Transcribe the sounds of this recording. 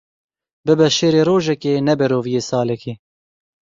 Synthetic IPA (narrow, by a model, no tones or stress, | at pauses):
bɨbɛʃeːɾeːɾoːʒɛkeːnɛbɛɾoːvijeːsɑːlɛkeː